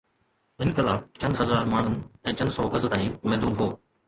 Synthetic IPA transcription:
ɪnkɪlaːb̚t͡ɕɐ̃nd̪ɦɐzaːɾmaːɳ̤ʊnɛ̃ːt͡ɕɐ̃nd̪sɔːkəzt̪ãːĩmɛ̃ːnd̪uːnɦoː

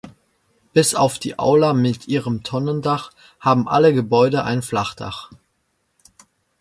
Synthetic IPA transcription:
b̥ɪsaʊfd̥ḭːʔa̰ʊlamɪtʔiːʁəmtʰɔnəndaχ | haːbm̩ʔaləɡəbɔʏdəʔa̰ɪnflaχd̥a̰χ

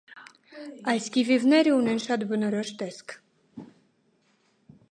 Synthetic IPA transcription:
ɑjskivivnɛɾəunɛnʃɑt̪bənɔɾɔʃt̪ɛskʰ

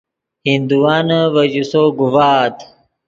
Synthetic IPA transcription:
hind̪uwaːnɐwɐd͡ʑusoɡuwaːt̪

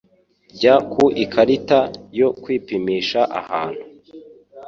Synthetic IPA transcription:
ɟakʰuʔikʰaɾitajo̞kwiːpimiːʃaʔa̰haːn̥hu

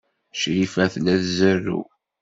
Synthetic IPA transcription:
ʃɾifæθlæðzərːṵ

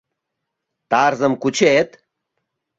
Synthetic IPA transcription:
t̪aːɾzɐmkut͡ɕʰeːt̪

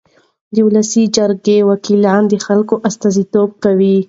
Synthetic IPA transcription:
d̪əulasid͡ʒaɾɡewakilɑnd̪əxalkoʔast̪azit̪ob̚kawi

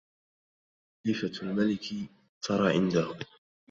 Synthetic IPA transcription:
ɪːfalmalɪk | t̪ɑɾˤɑːʕɪnd̪ahʊ

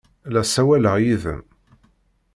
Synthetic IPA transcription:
læsæwæləʁjiðə̰m

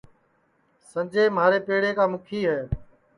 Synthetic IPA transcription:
sə̃nd͡ʒeːmaːɾeːpeːɽeːkaːmʊkʰiːɦɛː

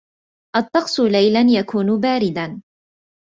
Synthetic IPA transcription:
ʔɑt̪ˤːɑqsˤʊlajlanjakuːnbaːɾɪd̪an

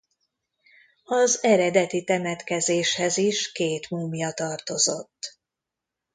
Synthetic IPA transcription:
ɒzɛɾɛd̪ɛt̪it̪ɛmɛt̪kɛzeːʃhɛziʃkeːt̪muːmjɒt̪ɒrt̪o̞zo̞t̪ː

